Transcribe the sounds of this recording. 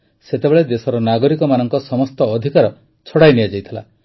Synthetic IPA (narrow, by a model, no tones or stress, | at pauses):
set̪ebeɭed̪esɔɾɔnaɡɔɾikɔmanɔŋkɔsɔmɔst̪ɔːd̪ʱikaɾɔ | t͡ʃʰɔɽajnijad͡ʒajt̪ʰila̰